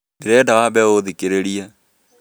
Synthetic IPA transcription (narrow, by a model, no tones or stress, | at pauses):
beɾɛɖaːbɛoðikeɾeɽia